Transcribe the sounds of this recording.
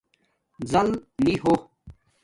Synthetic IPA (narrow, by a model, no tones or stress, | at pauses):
zɐlniɦo